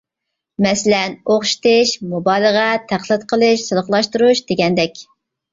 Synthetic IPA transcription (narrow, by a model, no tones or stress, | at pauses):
mɛsɪlɛnoχʃt̪ɪʃmubɑlˠəʁɛt̪ʰæχlˠɪɨt̪qʰəlˠɨʃsɨlˠəχlˠɑʃt̪uɾuʃd̪eɡʲɛnd̪ɛkʲ